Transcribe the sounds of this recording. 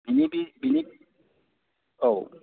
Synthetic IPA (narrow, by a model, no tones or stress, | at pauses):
binibibini | ow